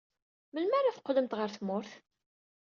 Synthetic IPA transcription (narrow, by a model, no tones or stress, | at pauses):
məlmæɾæfqːləmt̪ʁəɾθmʊɾθ